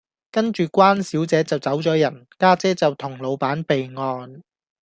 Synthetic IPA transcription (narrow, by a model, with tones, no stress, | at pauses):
kɐ˥nt͡ʃyː˨kʷwaː˥nsiː˨˥wt͡sɛː˨˥t͡sɐ˨wt͡sɐ˨˥wt͡sɔː˨˥jɐ˨˩nkaː˥t͡sɛː˥t͡sɐ˨wt̪ʰʊ˨˩ŋlo˨˧wpaː˨˥npe˨jŋɔː˧n